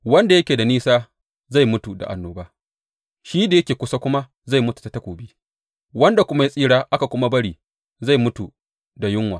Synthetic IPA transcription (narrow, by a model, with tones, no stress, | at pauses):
wɐ˦nda˨jɐ˦kʲeː˨da˨niː˦saː˦ | za˦˨jmʊ˦tu˨da̰˨ʔa̰˨nːoː˨baː˦ | ʃiː˦da˨jɐ˦kʲeː˨kʷʊ˦sa˦kʷʊ˦ma˦ | za˦˨jmʊ˦tu̥˨ta˦tɐ˦kʷuː˨biː˦ | wɐ˦nda˨kʷʊ˦ma˦ji˦sʼiː˦ɽaː˦ʔa˦ka˨kʷʊ˦ma˦bɐ˦ɽiː˨ | za˦˨jmʊ˦tu˨ | da˨jʊ˦ŋwa̰˨